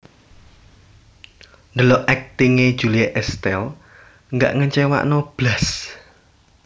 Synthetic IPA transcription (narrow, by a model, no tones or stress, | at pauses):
nd̪əlɔʔʔɛk̚t̪iŋed̥ʒ̥ulieʔɛst̪ɛl | ŋɡa̰ʔŋəɲt͡ʃewa̰ʔnɔb̥las